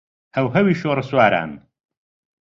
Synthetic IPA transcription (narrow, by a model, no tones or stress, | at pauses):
ʔɐwɦɐwiːʃoːɾɨswaːɾa̰ːn